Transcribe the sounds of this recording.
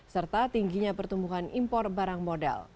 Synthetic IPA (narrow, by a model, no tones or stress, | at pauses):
sərt̪at̪iŋɡiɲapərt̪umbuɦanimpɔr̚baɾaŋmodɛ̰l